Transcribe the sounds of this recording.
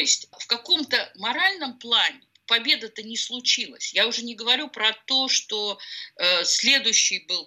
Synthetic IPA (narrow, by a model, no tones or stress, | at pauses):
t̪oɪsʲtʲfkɐko̞mt̪əmɐɾalʲnəmplˠanʲɪ | pɐbʲe̞d̪ət̪ənʲɪslˠʊt͡ɕilˠə̰sʲjaʊʐɛnʲɪɡəvɐɾʲupɾɐt̪o̞ʂt̪oəsʲlʲe̞d̪ʊjɕːɪjbɨlˠ